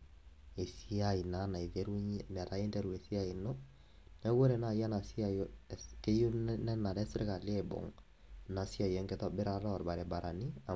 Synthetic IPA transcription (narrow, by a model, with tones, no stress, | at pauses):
e˨si˦a˦i˨na˨˦na˨i˨ðɛ˦ɾu˦ɲm˨a˨ɾa˨e˦ndɛ˦ɾu˨e˨si˦a˦i˨no˦ | nɛ˦wo˦ɾɛ˨na˨ja˦na˨si˦a˨jke˦jo˦nnɛ˦na˨ɾɛ˦sɾe˦ka˨le˨bɔ̰˨ŋ | na˨si˦a˨jɛ˦ŋɡɛ˦tɔ˦bɪ˦ɾa˨ɾɔ˦˨ɾba˨ɾɛ˨ba˨ɾa˨ni˦a˨